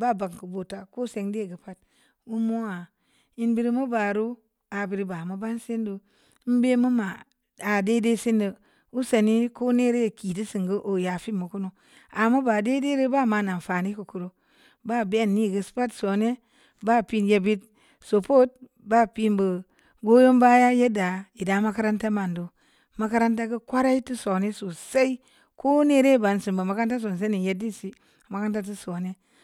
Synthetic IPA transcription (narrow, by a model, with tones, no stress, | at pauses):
ba˦˨ba˨ŋku˨bo˨ta˨ko˦se˨ŋde˦˨ɡə˨pa˦t̚ | u˦mo˦a˨ | i˨˦nbi˦ɾi˦mu˦ba˨ɾu˦ | a˨bi˨ɾi˨ba˨mu˨˦ba˦nse˦ndu˨˦ | m̩˦be˦mu˦ma˨ | a˨de˦de˦se˦ndə˨ | u˦se˨ni˦ko˦ne˦ɾe˦je˨ki˨di˦si˨ŋɡə˦ʔo˨ja˨fi˦mu˨ku˦nu˨ | a˨mu˦ba˨de˦de˦ɾi˦ba˦ma˨na˨n˨fa˨ni˦ku˨ku˨ɾo˨ | ba˦˨be˦˨nːi˦˨ɡə˨spa˦tso˨ne˦ | ba˦˨pi˦nje˨bi˦t̚ | so˨po˦t̚ | ba˦pi˦mbə˨ | ɡo˦jo˦mba˦ja˦je˦da˨i˨da˨˦ma˦ka˦ɾa˦nta˦ma˨ndo˨ | ma˦ka˦ɾa˦nta˦kə˦kʷa˦ɾa˦i˦ti˦so˨ne˦so˨sa˦i˦ | ko˦ne˦ɾe˦˨ba˨nsi˨mba˨ma˨ka˦nta˦s̬o˨ns̬a˦ni˨je˦di˦n˨si˦˨ | ma˨ka˦nta˦t̬i˦so˨ne˦